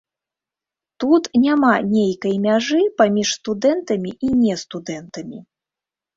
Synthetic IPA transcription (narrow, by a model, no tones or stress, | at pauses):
t̪ut̪nʲamanʲejkɐjmʲaʐɨpamʲiʂst̪ud̪ɛnt̪ɐmʲiʔinʲɛst̪ud̪ɛnt̪ɐmʲi